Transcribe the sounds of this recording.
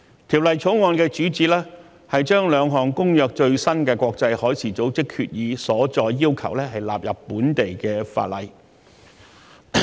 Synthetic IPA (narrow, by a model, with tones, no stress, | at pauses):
t̪ʰiː˨˩wlɐ˨jt͡sʰo˨˥wŋɔː˧nkɛː˧t͡ʃyː˨˥t͡siː˧˩lɛː˥ | hɐ˨jt͡ʃœː˥ŋlœː˨˧ŋɦɔː˨˩ŋkʊ˥ŋjœː˨k̚t͡ʃɵ˧ɥsɐ˥nkɛː˧kʷɔː˧k̚t͡sɐ˧jhɔː˨˥jt͡sʰiː˨˩t͡so˨˥wt͡sɪ˥kʰy̰ː˧t̚jiː˨˧sɔː˨˥t͡ʃɔː˧jːiː˥wkʰɐ˨˩wlɛː˥ɦɐ˨jlaː˨p̚jɐ˨˩pːuː˨˥nt̪e˨jkɛː˧fa̰ː˧t̚lɐ̰˨j